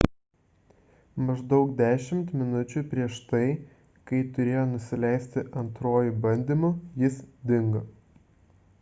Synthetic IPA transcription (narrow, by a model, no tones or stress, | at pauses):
mɐʒd̪ɒʊkd̪ʲæːʃʲɪmt̪mʲɪnʊt͡ʃʲupʲɾʲiɛʃt̪ɐɪ | kɐɪt̪ʊɾʲeːjoːnʊsʲɪlʲɛɪsʲt̪ʲɪʔɐnt̪ɾoːjʊbɐnʲd̪ʲiːmʊjɪsd̪ʲɪŋɡɐ